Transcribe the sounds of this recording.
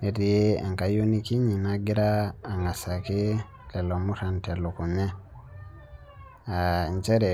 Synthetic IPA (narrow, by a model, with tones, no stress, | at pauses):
ne˨ti˨e˦a̰˨ŋka˨jo˦ni˦ki˦ɲi˨na˦ɡi˦ɾaː˦˨ŋa˨sa˨ki˦ | tɛ˨lo˨mu˦ta˨ntɛ˨lu˨ku˨ɲɛ˦ | a˨nt͡ʃɛ˦ɾɛ˨